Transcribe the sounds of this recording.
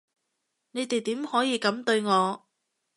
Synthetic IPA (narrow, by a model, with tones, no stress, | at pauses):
ne˨˧jt̪e˨jt̪iː˨˥mhɔː˨˥jiː˨˧kɐ˨˥mt̪ɵ˧ɥŋɔː˨˧